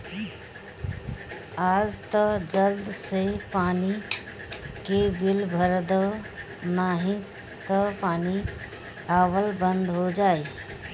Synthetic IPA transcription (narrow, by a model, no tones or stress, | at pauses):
aːd͡ʒt̪əd͡ʒəld̪sepaːni | kebɪlbʱəɾd̪ə | naɦĩ | t̪əpaːni | aːʋəlbə̃nd̪ɦod͡ʒaːe